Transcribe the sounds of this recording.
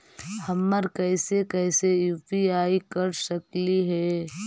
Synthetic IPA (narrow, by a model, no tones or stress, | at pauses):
hɐmːəɾkɛɪsekɛɪsejuːpiaːikɐɾsəkliɦɛː